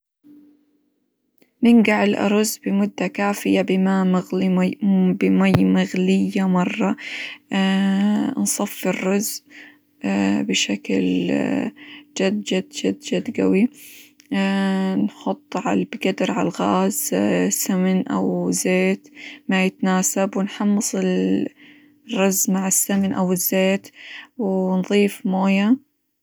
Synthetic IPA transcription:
mɪnɡaʕɪlʔɑ̰ɾˤʊzbɪmʊd̪ːakaːfɪjabɪmam | bɪmajːmaɣlɪjːamɑrˤːɑa | nsˤɑfːɪrːʊz | abɪʃakl | d͡ʒad̪d͡ʒad̪d͡ʒad̪d͡ʒad̪ɡa̰wi | nħʊt̪ˤːʕalbɪɡad̪ɾʕalɣaːzsamnʔa̰wɪzːeːt̪majɪt̪naːsabwɪnħɑmːɨsˤɪl | rːʊzːmaʕɪsːamnʔa̰wɪzːeːt̪wɪnðˤiːfmoːja

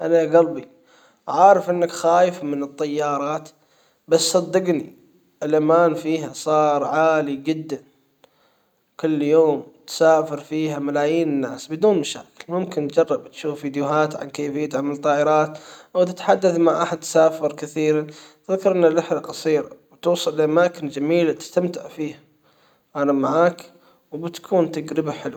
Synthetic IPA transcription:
ʔalaɡɑlbi | ʕaːɾˤɑfʔɪnːakxaːjɪfmɪnɨt̪ˤːɑjːɑːɾˤɑːt̪ | bassˤɑd̪ːɑɡni | ʔɪlʔamaːnfiːɦasˤɑːɾˤʕaːlid͡ʒɪd̪ːan | kɪlːjoːmt̪saːfɪɾfiːɦamalaːjiːnɪnːaːsbɪd̪uːnmaʃa̰ːkɪ̥lmʊmkɪnt̪d͡ʒɑrˤːɑbt̪ʃuːfviːd̪jʊɦaːt̪ʕa̰nkeːfijːat̪ɪʕmalt̪ˤːɑːʔɪɾɑːt̪wt̪ɪt̪ħad̪ːaθmaʕʔaħad̪t̪saːfɪɾkɪθiːɾan | ðkɑɾˤʔɪnːalːaħlaqɑsˤiːɾawt̪uːsˤɨlːʔamaːkɪnd͡ʒamiːlat̪ɪ̥st̪amt̪ɪʕfiːha | ʔanamaʕaːk | wbɪt̪kʰuːnt̪aɡɾɪbaħɪlw

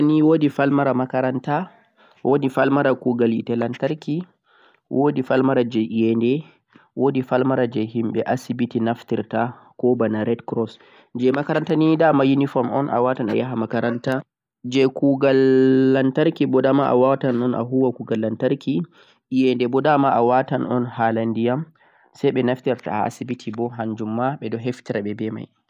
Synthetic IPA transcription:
niwodifalmaɾamakaɾanta | wʔodifalmaɾakuːɡalḭtɛlantaɾki | wʔodifalmaɾad͡ʒɛʔijɛndɛ | wodifalmaɾad͡ʒɛhimɓɛʔasibitinaftiɾta | kɔbanaɾɛdkɾɔs | d͡ʒɛmakaɾantanidamajinifɔmɔnʔa̰watana̰jaɦamakaɾanta | d͡ʒɛkuɡalːantaɾkibɔdamaʔa̰watanɔnʔa̰ɦuwakuɡalːantaɾki | jɛndɛbɔdamaawatanɔ̰nhalandijam | sajɓɛnaftiɾta̰a̰sibitʰibɔɦand͡ʒumːaɓɛdɔɦeftiɾaɓɛbɛma̰j

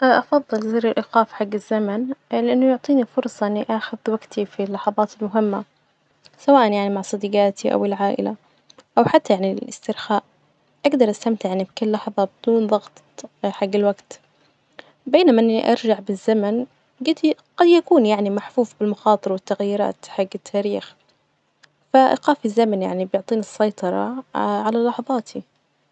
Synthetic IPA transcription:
ʔʔɑfɑðˤːɨlziːɾɪlʔɪqɑːfħaɡːɪzːamanlɪʔanːʊjʊʕt̪ˤiːnifʊɾˤsˤɑʔɪnːiʔaxʊðwaɡt̪ʰifilːɑħɑðˤɑːt̪ɪlmʊɦɪmːa | sawaːʔanjaʕnimaʕsˤɑd̪iːɡaːt̪ʰiʔa̰wɪlʕaːʔɪ̰la | ʔawħat̪ʰːajaʕnilɪ̰st̪ɪɾxaːʔ | ʔaɡd̪ɑɾˤʔast̪amt̪ɪʕnibkɪlːɑħðˤɑbɪd̪̥uːnðˤɑɣt̪ | ħaɡːɪlwaɡt̪ | beːnamaʔɪnːḭʔɑ̰ɾˤd͡ʒaʕbɪzːaman | ɡɪd̪ɡ̥ɑd̪jakuːnjaʕnimaħfuːfbɪlmɑxɑːt̪ˤɨɾwɪt̪ːaɣjiːɾa̰ːt̪ħaɡːɪt̪ʰːaːɾiːx | faʔɪ̰qɑːfizːamanja̰ʕnibjʊʕt̪ˤiːnɪsˤːɑjt̪ˤɑɾˤɑ̰ʕalalɑħðˤɑːt̪ʰi

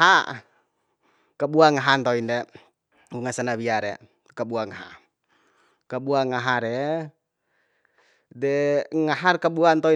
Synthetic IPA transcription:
a | kabuaŋaɦant̪ɔindɛ | uŋasanabiaɾɛ | kabuaŋaɦa̰ | kabuaŋaɦaɾɛ | dɛŋaɦarkabuant̪ɔi

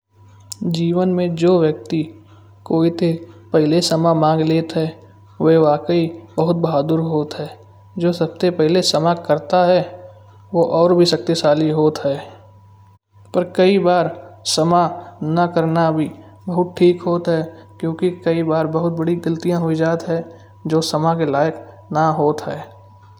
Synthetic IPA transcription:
d͡ʒiːʋənmẽd͡ʒoːʋjək̚t̪i | koːit̪ʰepɛɦɪlesəmamãːŋɡleːt̪ɦɛː | ʋeʋaːkəibəɦʊt̪̚bəɦaːd̪ʊɾɦoːt̪ɦɛː | d͡ʒoːsɐbsepɛɦlesəmakəɾt̪aɦɛ | ʋoʔɔːɾbʱisək̚t̪esaːliɦoːt̪ɦɛː | pəɾkəibaːɾsəmanəkəɾnabʱi | bəɦʊt̪̚ʈʰiːkɦoːt̪ɦɛkjõːkikɐibaːɾbəɦʊt̪̚bəɽiɡəlt̪ijãɦoid͡ʒaːt̪ɦɛ | d͡ʒoːsɐmakelaːjək | naɦoːt̪ɦɛː

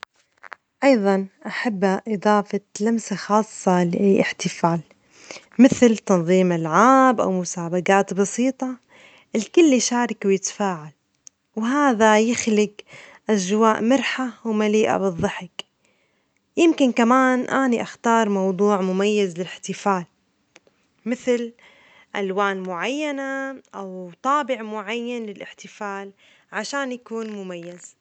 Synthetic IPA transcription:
ʔɑjðˤɑnʔaħabːaʔɨd̪ˤɑːfɑlamsaxɑːsˤːɑlɪʔaːʔɪħt̪ɪfaːl | mɪθlt̪ɑnðˤiːmɪlʕaːbʔa̰wmʊsaːbaɡaːt̪bɑsiːt̪ˤɑ | ʔɪlkʊlːiʃaːɾˤɪkwjɪt̪ḁfaːʕal | wɦaːðajɪxlɪɡʔaʒwaːʔmɪɾħawmaliːʔa̰bɨðˤːɑħɪk | jɪmkɪnkamaːnʔaːniʔaxt̪ɑːɾˤmɑwd̪ˤuːʕmʊmajːazlɪlɪħt̪ɪfaːl | mɪθl | ʔalwaːnmʊʕajːanaʔawt̪ˤɑːbɪʕmʊʕajːanlɪlʔɪħt̪ɪfaːl | ʕaʃaːnjakuːnmʊmajːaz̥

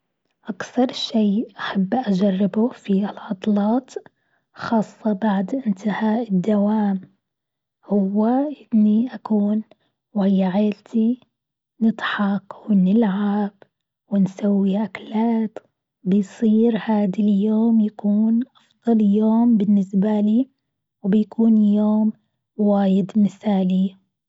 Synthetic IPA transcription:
ʔakθɑɾˤʃejːʔaħabːʔad͡ʒarˤːɪbʊfiɪlʕɑd̪ˤlɑːt̪ | xɑːsˤːɑbaʕd̪ʔɪnt̪ʰɪhaːʔɪd̪ːawaːm | hʊwːaʔɪnːiʔakuːn | whɪjːaʕeːlt̪ʰi | nɨd̪ˤħɑqwɪnɪlʕab | wɪnsawːiʔaklaːt̪ | bɪjsˤiːɾhaːd̪aljoːmjakuːnʔɑfðˤɑljoːmbɪnːɪsbaliː | wbɪjakʰuːnjoːm | waːjɪd̪mɪθaːli

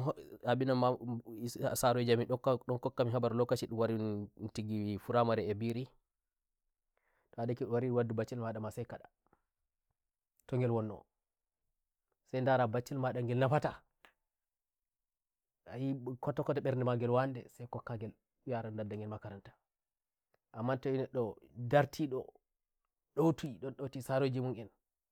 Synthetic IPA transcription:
aɓinama | asaɾɔd͡ʒamiɗɔkɗɔnkɔkːamiɦabaɾlɔkːat͡ʃiɗuwaɾinntiɡifuɾamaɾɛːbiɾi | ɗɔadakiɗwaɾiɗwadːubat͡ʃːɛlmaɗamasajkaɗa | tɔŋɡɛlwɔnːɔ̰ | sajndaɾabat͡ʃːilmaɗaŋɡɛlnafata | ajikɔtːɔkɔtaɓɛɾnɛmaɡɛlwandɛ̰sajkɔkːaɡɛl | jaɾandadaŋɡɛlmakaɾantḁ | ʔamːantɔinɛɗɔdaɾtʰiɗɔ̰ | ɗowtuɗɔnɗotisaɾod͡ʒimuŋʔin

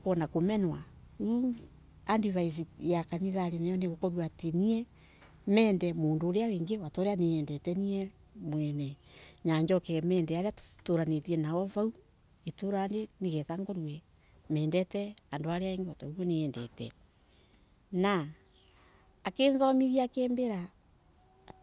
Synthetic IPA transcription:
koɔnakomɛnwa | u | andiβais̬ijakaniðaɾenajɔneɣokɔɾwateniɛ | mɛːndɛmoːndoːɾeaweːŋɡewatɔɾeaneɛndɛtɛniɛ | mwɛnɛɲaːɲd͡ʒɔkɛɣɛmɛːndɛaɾeatoɾanetiɛnawɔvau | etoːɾaːndeneɣɛtaŋɡoɾwɛ | mɛːndɛtɛandoaɾeaeŋɡewatauɔneɛndɛtɛ̰ | na | keːnzɔmiɾiaakeːmbeɾa

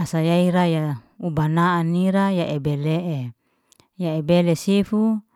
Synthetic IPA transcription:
asajaiɾaja | ubanaːniɾajaʔebeleʔe | jaebelesefu

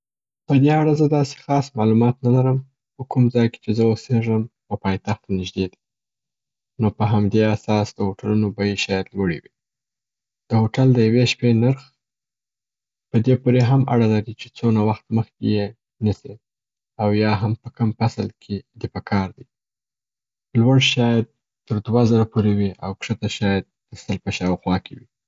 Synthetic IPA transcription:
pəd̪eaɽazəd̪ɑse̥xɑsmɑlumɑt̪nalaɾəm | pəkumzɑjke̥t͡ʃezəwəseʐəm | opɑjt̪axt̪anɪʒd̪ed̪i | nopəɦamd̪easɑsd̪əhoʈalunobajeʃɑjad̪lwəɽḭwi | d̪̥əhoʈald̪əjaweʃpenaɾx | pəd̪epoɾeɦama̰ɽalaɾit͡ʃe̥t͡sonawaxt̪məxkeje | nəsi | awjɑɦampəkəmfaslkʰed̪epəkʰɑɾd̪i | lwaɽʃɑjad̪̚ | t̪əɾd̪wazəɾapoɾewiʔa̰wkʂət̪aʃɑjad̪̚ːəsəlpəʃɑwxwɑkʰewi

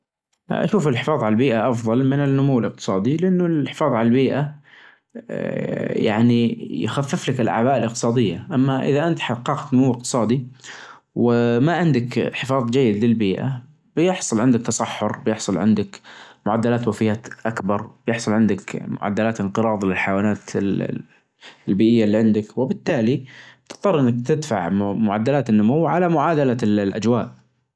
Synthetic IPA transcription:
ʔa̰ʃuːfɪlħɪfɑːðˤʕalalbiːʔaʔɑfðˤɑlmɪnɪnːʊmuwːɪlɪq̚t̪ɨ̥sˤɑːd̪ilɪʔanːʊlħɪ̥fɑːðˤʕalalbiːʔa | ja̰ʕnijxafːɪflakɪlʔa̰ʕbaːʔɪlʔɪq̚t̪ɨsˤɑːd̪ɪjːaʔamːaʔɪ̰ðaʔɪnt̪ħɑqːɑːqt̪nʊmuwːɪqt̪ɨ̥sˤɑːd̪i | wɪmaʕɪnd̪akħɪfɑːðˤd͡ʒajːɪd̪lɪlbiːʔa̰ | b̥jɪħsˤʊlʕɪnd̪ɪk̚t̪ɑsˤɑħːʊɾbjɪħsˤʊlʕɪ̰nd̪ɪkmʊʕad̪ːalaːt̪wafɪjːaːt̪ʔakbɑɾˤbjɪħsˤʊlʕɪnd̪ɪkmʊ̰ʕa̰d̪ːalaːt̪ɪnqɨɾˤɑːðˤlɪlħajwaːnaːt̪ | lbiːʔɪjːalːiːʕɪnd̪ɪkwɪbɪt̪ːaːlit̪ɨ̥t̪ˤːɑɾˤʔɪnːak̚t̪ɪd̪fa̰ʕmʊʕad̪ːalaːt̪ɪnːʊmuwʕalamʊʕaːd̪alalʔa̰d͡ʒwaːʔ

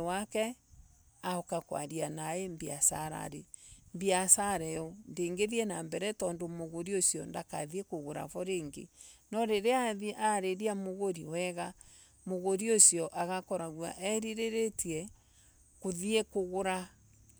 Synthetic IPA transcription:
wakɛ | aokakwa̰ɾianaembiasaɾa̰ɾembiasaɾɛɔndeːŋɡeðiɛnambɛɾɛtɔːndomoɣoɾiosiɔndaka̰ðiekoɣoɾa̰vɔɾeːŋɡḛnɔɾeɾeaʔaɾeɾiamoɣoɾiwɛɣa | moɣoɾiosjɔʔaɣakɔɾaɣwa̰ʔɛɾiɾeɾetiɛ | koðiekoɣoɾa

